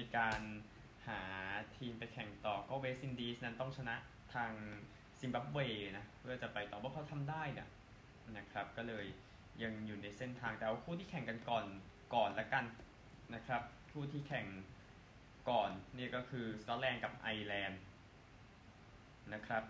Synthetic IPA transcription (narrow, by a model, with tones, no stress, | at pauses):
miː˧kaː˧n | haː˩˦t̪ʰiː˧mpa˧jkʰɛ˨˩ŋt̪ɔː˨˩kɔː˥˩weː˦˥si˧ndiː˧˥sna˦˥nt̪ɔ˥˩ŋt͡ɕʰa˧na˦˥ʔ | t̪ʰaː˧ŋ | si˧mba˦˥p̚weː˧na˦˥pʰɯ˥˩ɐt͡ɕa˨˩pa˧jt̪ɔː˨˩wa˥˩kʰa˧˥wt̪ʰa˧mdaː˥˩jni˧˩ɐ | na˦˥kʰɾa˦˥p̚kɔː˥˩lɤː˧jː | a˧ŋjuː˨˩na˧jse˥˩nt̪ʰaː˧ŋt̪ɛː˨˩ʔa˧wkʰuː˥˩t̪ʰiː˥˩kʰɛ˨˩ŋka˧nkɔː˨˩n | kɔː˨˩nlɛ˦˥ka˧n | na˦˥kʰɾa˦˥p̚ | kʰuː˥˩t̪ʰiː˥˩kʰɛ˨˩ŋ | kɔː˨˩nni˥˩ɐkɔː˥˩kʰɯː˧skɔ˦˥t̪̚lɛː˧nka˨˩p̚ʔa˧jlɛː˧n | na˦˥kʰɾa˦˥p̚